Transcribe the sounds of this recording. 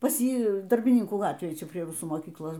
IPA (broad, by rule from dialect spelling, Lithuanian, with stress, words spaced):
pɐs ˈjiː dɐrʲbʲɪˈnʲɪŋkuː ˈɡɑːtʲʋʲeːj ˈt͡ʃʲɛ pʲrʲiɛ ˈrʊsuː moːˈkʲiːklˠoːs